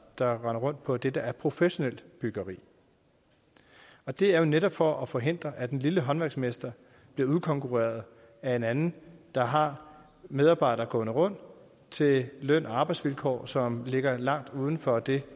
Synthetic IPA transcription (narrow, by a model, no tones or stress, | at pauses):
d̥ɑ̈ʁɑ̈nɐʁɔ̽n̰d̥̚pʰɒ̽d̥edəæɐpʰʁo̝feɕo̝nel̰b̥yɡ̥ɐʁḭː | ɒ̽d̥e̝æɐjo̝neɾɒ̽b̥fɒ̽ʔɒfɒ̽ɦe̝n̰d̥ʁɐʔæd̥en̩liləɦɒ̽nʋæɐɡsmesd̥ɐ | b̥liɐuðˠkʰɒ̽ŋkʰuʁḛɐð̞̩ˠ | æe̝nænn̩d̥ɑ̈ɦɑ̈ | með̞ˠɑ̈ːb̥ɑ̈ɪd̥ɐɡ̥ɔ̰̽ːnəʁɔ̽n̰d̥ | t͡sʰe̝lœn̰ʔɒɑ̈ːb̥ɑ̈ɪd̥sʋilkʰɒ̰ːsɒ̽mle̝ɡ̥ɐlɑ̈ŋ̰d̥uð̞ˠn̩fɒ̽d̥e̝